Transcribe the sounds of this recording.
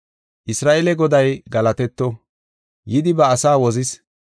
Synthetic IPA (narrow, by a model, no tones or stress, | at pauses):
ʔɪsɾaːʔɛlɛɡɔd̪ɐjɡɐlɐt̪ɛt̪ːɔ | jɪd̪ɪbɐːsaːwɔzɪs